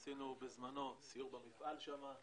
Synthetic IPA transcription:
sinubezmano̞sijuʁbamifʔalʃama

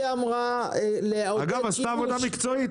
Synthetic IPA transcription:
amʁaleaaɡavazaːvod̪amikt͡soit

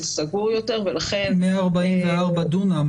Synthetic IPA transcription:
saɡuʁjot̪eʁvelaχenmeaːʁbaimveaʁbad̪unam

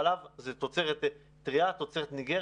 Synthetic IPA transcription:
lavzet̪ot͡seʁet̪ | tʁiat̪ot͡seʁet̪niɡe

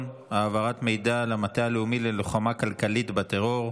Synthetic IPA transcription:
aːvaʁat̪me̞jdalamat̪aaleumileloχamakalkalit̪bat̪eʁo̞ʁ

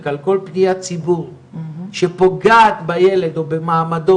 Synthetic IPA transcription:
kalko̞lpnijat͡sibuʁ | ʃepo̞ɡaːt̪bajele̞d̪obemaːmad̪o

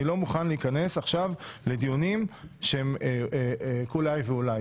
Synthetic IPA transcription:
ilomuχanleikane̞saχʃavle̞d̪ijunimʃeme | kulajveulaj

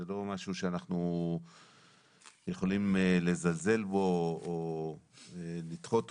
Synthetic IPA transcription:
elo̞maʃuʃeanaχnu | jeχo̞limle̞zalze̞lbo̞ː | lit̪χo̞t

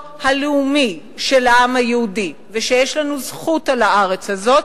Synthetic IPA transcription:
haleumi | ʃelaamhajehudiveʃe̞jeʃlanuzχutalaʔaʁet͡shazo̞t

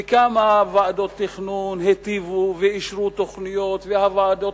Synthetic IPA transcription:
kamavaad̪o̞t̪ːiχnunhet̪ivuveiʃɾut̪oχnijot̪vehavaad̪o

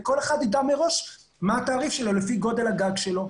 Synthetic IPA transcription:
ko̞le̞χad̪id̪ameʁo̞ʃ | maat̪aːʁifʃe̞lo̞lefiɡo̞de̞lhaɡaɡʃelo̞

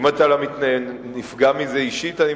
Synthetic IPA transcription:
mat̪alamit̪najennifɡamizeiʃit̪ani

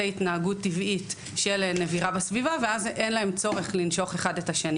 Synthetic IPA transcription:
aitnaaɡutːivit | ʃelne̞viʁabesvivaveazʔenlae̞mt͡so̞ʁeχlinʃo̞χe̞χadetaʃeni

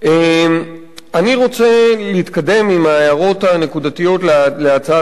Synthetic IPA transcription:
ʔem | aniʁo̞t͡se̞leit̪kade̞mimaːjaʁo̞tane̞kudat̪ijo̞tlleat͡sa

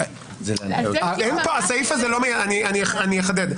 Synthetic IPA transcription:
zeaenpoasaifazelomejaanianianijeχad̪ed̪

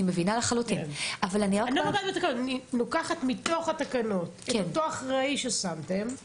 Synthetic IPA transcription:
imevinalaχalutimʔavalaniʁaknodaet̪akanoninokaχat̪mit̪o̞χatakɐno̞tkekent̪oaχʁaiʃesamt̪e̞m

